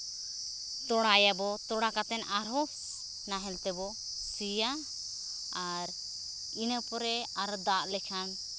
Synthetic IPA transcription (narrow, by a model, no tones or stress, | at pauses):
t̪ɔɽajabɔt̪ɔɽakat̪ɛnaɾɔs | naɦɛlt̪ɛbɔ | sija | aɾ | inəpɔɾɛaɾɔd̪aʔlɛkʰan